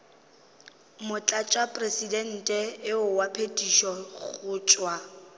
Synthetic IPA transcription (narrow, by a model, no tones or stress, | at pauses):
mʊt͡ɬʼat͡ʃʼapʼresidɛn̩tʼɛɪʊwapʰetʼiʃɔχʊːt͡ʃʼwa